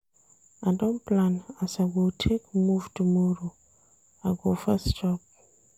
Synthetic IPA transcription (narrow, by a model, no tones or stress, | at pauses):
adɔ̃nplãnasaɡotʰekmuvtumɔɾo | aɡofastɔp̚